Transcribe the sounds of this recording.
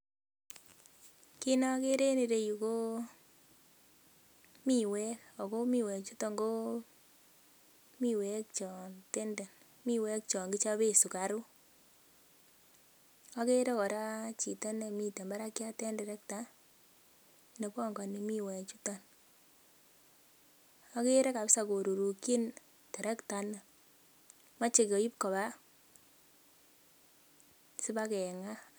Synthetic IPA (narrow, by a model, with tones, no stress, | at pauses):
ki˦nɔ˦ke˦ɾe˦ni˨ɾe˨ju˨ko˦ | mi˨wɛ˦ko˨ko˦mi˨wɛ˨kt͡ʃu˦tɔ˨ŋɡo˦ | mi˦˨wɛ˨k̚t͡ʃɔ˨nte˦nde˨n | mi˦wɛ˦k̚t͡ʃɔ˨ŋɡi˦t͡ʃa˦be˦su˨ka˨ɾu˦ | a˦ke˦ɾe˦kɔ˨ɾa˦t͡ʃi˨ta˦ne˨mi˨te˨mba˦ɾa˦kja˦tɛ˦ndɛ˨ɾɛ˦k̚ta˦ | ne˨kɔ˦˨ŋɡa˨ne˨mi˦wɛ˨t͡ʃu˦ta˦n | a˦ke˦ɾe˦ka˨psa˨ko˨ɾo˨ɾu˨ki˦n | tɛ˨ɾɛ˦kta˨na˨ | ma˦t͡ʃe˨ko˨i˦p̚kɔ˨ba˦ | si˦ba˦kɛ˨ŋa˦